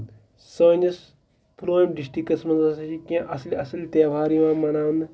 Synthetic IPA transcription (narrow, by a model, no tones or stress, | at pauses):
soːnɐs | pɾoːmɖisʈikɐsmɐnɐsɐt͡ʃikãʔɐsliɐsɐlʲt̪eːʋʱaːɾiãːmɐnaːun